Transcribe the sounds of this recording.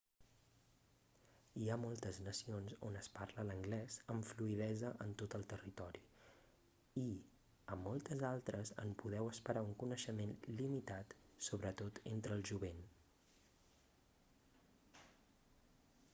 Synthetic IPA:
iamolˠt̪əznəsionso̰nəsparlələŋɡlɛzəɱfluið̞ɛzəʔənt̪ot̪əlˠt̪ərit̪ɔɾi | i | əmːɔlˠt̪əzalˠt̪ɾəzə̰mpuðɛwəspəɾauŋkunəʃəmenlimit̪at̪soβɾət̪ot̪ent̪ɾəːlˠʒuβen

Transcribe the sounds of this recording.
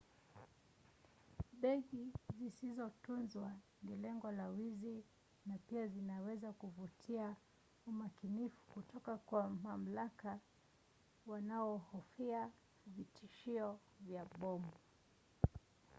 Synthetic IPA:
ɓɛɠizisizɔtunzwanilɛŋɡɔlawizi | napiazinawɛzakuvutʰia | umakinifu̥kutɔkakwamam̩laka | wanaɔhɔfia | vitiʃiɔ | vjaɓɔmba

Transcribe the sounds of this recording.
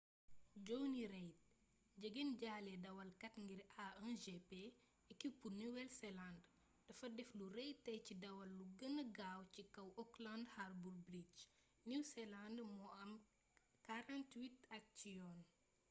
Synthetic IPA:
ɟɔwniɾɛjt̚ | ɟəɡenɟaːlɛdɐwɐlkɐtŋɡiɾaɛnʒepe | ɛkːipurniwɛlsɛland | dɐfɐdɛflurɛjtːɐjcidɐwɐlːuɡɐnəɡaːwcikɐwɔklandharburbɾit͡ʃ | niwsɛlandmɔɐm | kaɾãntwitɐk̚cijɔːn

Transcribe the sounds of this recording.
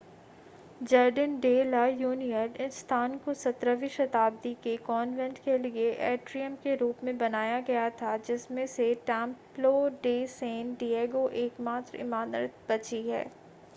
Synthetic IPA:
d͡ʒɐɾɖənɖeːlajuːnijənɪnst̪ʰaːnkosɐt̪ɾəʋiʃɐt̪aːb̚d̪ikekɔːnʋɛ̃ɳʈkelieʔɛːʈɾijəmkeɾuːpmẽbɐnaːjaɡɐjat̪ʰad͡ʒɪsmẽseʈɛ̃ːmploɖeːseːnɖieːɡoʔeːkmaːt̪ɾɪ̰maːnɾɪt̪̚bɐt͡ʃiɦɛ̰ː

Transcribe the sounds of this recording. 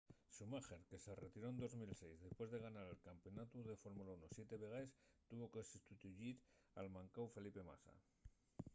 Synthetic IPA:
sumaxeɾke̞se̞re̞t̪iɾo̞end̪o̞zmilse̞jzðe̞spwe̞zðe̞ɣ̞anaɾe̞lkampeo̞nat̪uðe̞fo̞ɾmulaunosje̞t̪e̞βe̞ɣ̞aest̪uβo̞ke̞sust̪ut̪uʝiɾa̰lmaŋkawfe̞lipe̞ma̰sa̰

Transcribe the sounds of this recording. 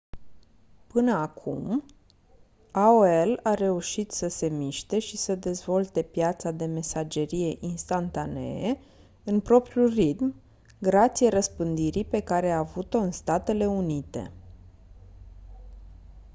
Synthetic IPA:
pɨnəakʰṵm | aoelaɾe̞uʃit̪səse̞miʃt̪e̞ʃisəd̪e̞zvo̞lt̪e̞pjat̪sad̪e̞me̞sad͡ʒe̞ɾije̞ʔinst̪ant̪ane̞̰e | ɨnpɾo̞pɾijurit̪m | ɡɾat̪sijeɾəspɨnd̪iɾipe̞kaɾe̞aːvut̪o̞ɨnst̪at̪e̞le̞unit̪e̞̰

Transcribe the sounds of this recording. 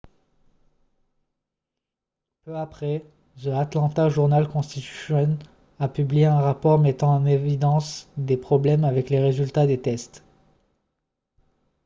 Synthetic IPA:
pøapχɛ | səat̪lɑ̃t̪aʒuʁnalkɔ̃st̪it̪y̥sjɔn | apyblijeɛ̃ʁapɔʁmet̪ɑ̃ːnevid̪ɑ̃sd̪epχɔblɛmavɛkleʁezylt̪ad̪et̪ɛst̪

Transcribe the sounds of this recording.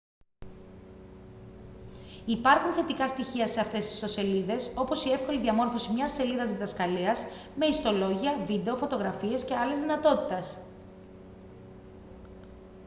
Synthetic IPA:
ipɐɾxunθe̞t̪ikɐst̪içiɐse̞ɐft̪e̞st̪i̥st̪o̞se̞liðe̞so̞po̞sie̞fko̞liðiɐmo̞ɾfo̞simɲɐsːe̞liðɐzðiðɐskɐliɐs | me̞ist̪o̞lo̞ʝiɐvid̪e̞o̞fo̞t̪o̞ɣɾɐfie̞sce̞ɐlezðinɐt̪o̞t̪i̥t̪ɐs

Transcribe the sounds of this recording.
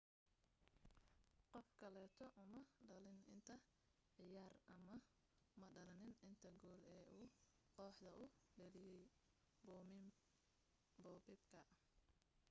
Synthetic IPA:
qɔfkʰɐlɛːt̪ʰɔʔʊmɐɖɐlɪnɪ̰nt̪ʰɐ | ʕɪjaːrɐmɐ | mɐɖɐlɐnɪnɪnt̪ʰɐɡɔːlɛːʔuː | qɔːħd̪ɐʔʊɖɛlɪjɛj | bɔːmɪm | bɔːbɪbkʰɐ

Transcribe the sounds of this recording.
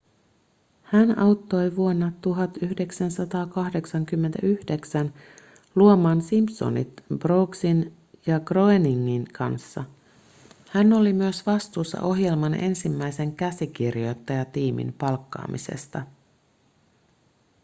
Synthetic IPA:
hænɑwt̪ːo̞jʋuonːɑt̪ːuɦɑt̪yhde̞ksænsɑt̪ɑːkɑhde̞ksɑŋkymːent̪æ̰ʔyhde̞ksæn | luomɑːnsimpso̰nḭt̪b̥ro̞ːksin | jɑɡro̞eniŋːinkʰɑ̰nsːɑ̰ | hænːo̞limyøsʋɑst̪uːsːɑ̰ʔo̞ɦje̞lmɑnʔe̞̰nsimːæjse̞ŋkæsik̟irjo̞t̪ːɑjɑt̪iːmḭmpɑlkːɑ̰ːmise̞̰st̪ɑ

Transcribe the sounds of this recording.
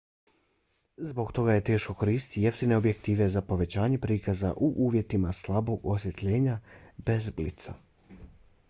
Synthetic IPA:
zbo̞ɡt̪o̞ɡaje̞t̪e̞ːʃko̞ko̞ɾiːst̪ijeft̪ine̞obje̞kt̪iːʋe̞zapo̞ʋe̞t͡ɕaːɲe̞pɾiːkaza̰ʔuʔuːʋje̞t̪imaslˠabo̞ɡosje̞t̪ʎe̞ːɲabe̞zblḭt̪sa̰

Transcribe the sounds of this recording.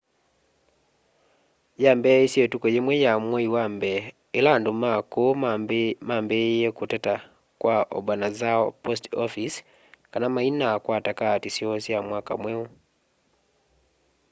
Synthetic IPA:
jaːmbeisjetukojemwejamweiwambeː | landumako | mambejekuteta | kwaʔo̰βwanazapostofis | kanamainakwaːtakatisjosjamwaːka̰mweu

